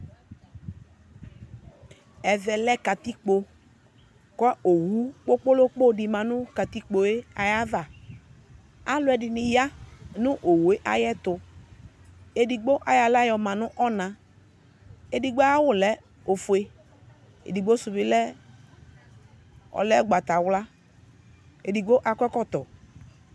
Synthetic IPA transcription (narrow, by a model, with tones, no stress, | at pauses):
ɛ˨vɛ˨lɛ˦ka˨t̪i˦k͡po˨ | kɔ˦o˨wu˦k͡po˦k͡po˦lo˦k͡po˦˨di˨mã˨nʊ˦ka˨t̪i˦k͡po˨e˦a˨ja˦va˨ | a˦lʊ˦ɛ˨dɪ˨nɪ˨ja˦nʊ˦ʔo˨wo˨e˦ʔa˦jɛ˦t̪ʊ˨ | e˨di˨ɡ͡bo˦ʔa˨ja˨la˦jɔ˧mã˨nʊ˦ʔɔ˦nã˨ | e˦di˨ɡ͡bɔ˦a˦wʊ˦˨lɛ˦ | o˨fʊ˨e˦ | ḛ˨di˨ɡ͡bo˦sʊ˨bɪ˨˦lɛ˦ | ɔ̰˨lɛ˦ɡ͡ba˨t̪a˨wla˦ | e˨di˨ɡ͡bo˦ʔa˨kʷɛ˦kɔ˦˨t̪ɔ˨